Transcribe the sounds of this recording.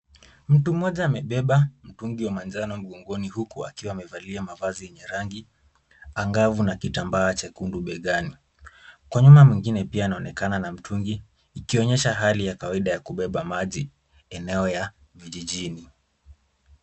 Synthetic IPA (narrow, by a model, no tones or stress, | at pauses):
m̩tum̩ːɔʄaːmɛɓɛɓam̩tuŋɡiwamanzanɔm̩ɠɔŋɡɔnihukua̰kiwaːmɛvaliamavazijɛɲɛɾaŋɡi | aŋɡavunakitambaːt͡ʃakunduɓɛɠani | kwaɲumamwiŋɡinɛpiaːnaɔnɛkananam̩tʰuŋɡiː | kiɔɲɛʃaɦalijakawaiɗajakuɓɛɓamaʄi | ɛnɛɔja | viʄiʄini